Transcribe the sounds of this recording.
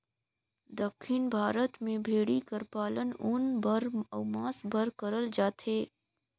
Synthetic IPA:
d̪əkʰːɪnbʱaːɾət̪mẽbʱeːɽikəɾpaːlənʊnbəɾɐmaːsbʱəɾkəɾəld͡ʒaːt̪eː

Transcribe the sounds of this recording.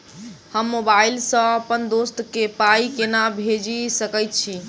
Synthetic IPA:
həmːobailsə̃əpənd̪ost̪kepaikenabʱed͡ʒisəkəjt̪̚t͡ʃʰi

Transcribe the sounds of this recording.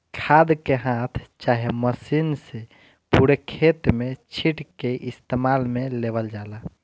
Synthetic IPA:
kʰad̪keɦãt̪ʰt͡ʃaɦeməsinse | puɾekʰet̪met͡ʃʰiʈkeʔist̪emalmelebəld͡ʒala

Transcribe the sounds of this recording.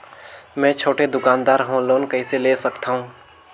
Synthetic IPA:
mɛ̃t͡ʃʰoːʈed̪ʊkãːnd̪aːɾɦõloːnkəiseleːsəkt̪aːɦũː

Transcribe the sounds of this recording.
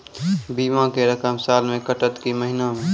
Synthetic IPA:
biːmãkeɾəkəmsaːlmẽkəʈət̪kiməɦɪnamẽ

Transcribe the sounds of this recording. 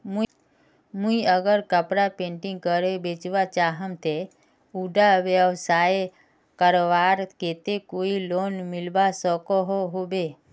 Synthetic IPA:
mũ | mũiəɡəɾkəpɾapẽːɳʈɪ̃ŋɡ̚kəɾebeːt͡ʃʋat͡ʃaːɦəmt̪ʰe | uɖaʋjəʋsaːe | kəɾoʋaːɾkeːt̪ekoːiloːnmɪlʋasəkoɦoɦobe

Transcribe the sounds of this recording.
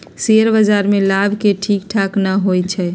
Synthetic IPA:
seəɾbəd͡ʒaɾmelabʱkeʈʰikʈʰaknaɦojt͡ʃʰɛ

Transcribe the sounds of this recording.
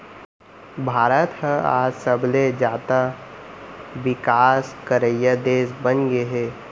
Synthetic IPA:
bʱaːɾət̪hə̃a̰ːd͡ʒsəbled͡ʒaːt̪a | ʋɪkaːskəɾəjəd̪eːsbənɡeɦeː

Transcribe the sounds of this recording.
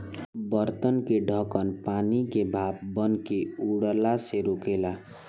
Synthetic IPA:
bəɾt̪ənkeɖʱəkənpanikebʱap̚bənkeuɽlaseɾokela

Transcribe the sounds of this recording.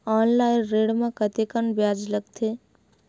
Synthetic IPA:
ɔːnlaɪnɾeɽmekət̪ekənbjad͡ʒləɡt̪ʰe

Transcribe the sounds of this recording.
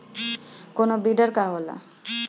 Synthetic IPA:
konobiɖaɾkaɦola̰

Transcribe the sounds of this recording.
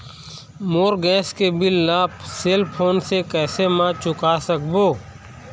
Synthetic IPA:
moːɾɡɛːskebɪlːaːpseːlpʰoːnsekɛːsemãt͡ʃʊkasəkboː

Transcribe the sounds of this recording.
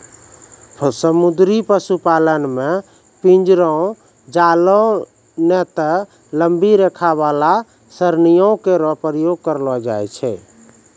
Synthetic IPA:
səmud̪ɾipəsupalənme | pind͡ʒɾɔ̃ | d͡ʒalɔ | nɛt̪ə | ləmbiɾekʰaβala | səɾnijõkeɾɔɦpɾəjoɡ̚kəɾlɔd͡ʒajt͡ʃʰɛ

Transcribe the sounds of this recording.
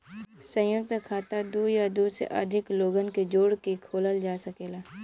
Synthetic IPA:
sə̃jʊk̚t̪kʰaːt̪ad̪uːjad̪uːsḛʔə̰d̪ʱɪkloːɡənked͡ʒoːɽkekʰoːləld͡ʒaːsɐkeːlaː

